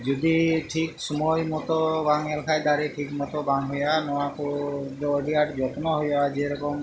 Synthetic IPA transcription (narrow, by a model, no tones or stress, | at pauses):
d͡ʒud̪iʈʰiksɔmɔjmɔt̪ɔbaŋalkʰajd̪aɾeʈʰikmɔt̪ɔbaŋɦɔjanɔwakɔd̪ɔːɾiaʈd͡ʒɔt̪nɔɦɔjɔad͡ʒieɾɔkɔm